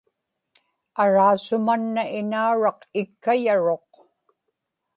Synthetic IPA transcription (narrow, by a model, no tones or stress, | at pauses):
aɻaːsʊmanːaʔɪnauɻɑqɪkːajaɻo̞q